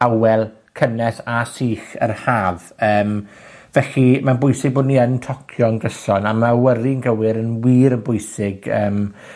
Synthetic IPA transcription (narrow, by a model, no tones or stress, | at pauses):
awɛlˠ | kʰənɛsasiːχə̰rhaːvəːm | vɛɬimanbʊjsɪɡ̚boːdniəntʰɔkʰjɔnɡəsɔnamawəɾiənɡəwɪɾənwiːɾənbʊjsɪɡəːm